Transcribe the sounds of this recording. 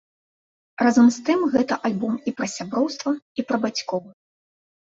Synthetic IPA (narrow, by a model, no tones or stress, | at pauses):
razɐmst̪ɨmɣɛt̪ɐʔalʲbɔmipɾɐsʲabɾɔwst̪vɐipɾɐbat͡sʲkɔw